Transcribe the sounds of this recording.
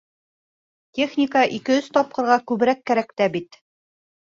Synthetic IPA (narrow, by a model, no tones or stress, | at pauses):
tʲeχnʲikaʔikɘ̆ɵst̪ɒp̚qɤ̆ɾʁɑkʉβɘ̆ɾækːæɾækt̪æbit̪